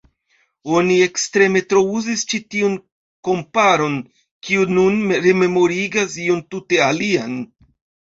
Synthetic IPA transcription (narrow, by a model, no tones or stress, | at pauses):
o̞nie̞kstɾe̞me̞tɾo̞uzist͡ʃitiun | ko̞mpaɾo̞n | kiununɾe̞me̞mo̞ɾiɡasiontute̞alian